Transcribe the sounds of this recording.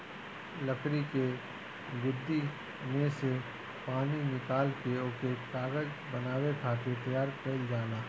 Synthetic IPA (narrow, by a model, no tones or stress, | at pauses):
lɐkɾike | ʋɪd̪ʱːi | nese | paːninɪkaːlkeoket̪aːɡəd͡ʒ | bɐnaːwekʰaːk̪et̪ɐjaːɾpɛld͡ʒaːlaː